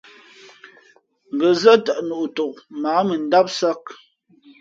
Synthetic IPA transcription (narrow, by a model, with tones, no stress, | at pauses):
ŋ̩˨ɡə˨zə˦tə˨ʔnu˨ʔto˨ʔ̚maː˨˦mə˨n̩˦da˦p̚sə˦k̚